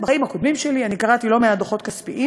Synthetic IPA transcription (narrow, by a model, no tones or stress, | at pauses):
baimhako̞d̪mimʃe̞lianikaʁat̪ilo̞meadoχo̞t̪̚kaspiʔi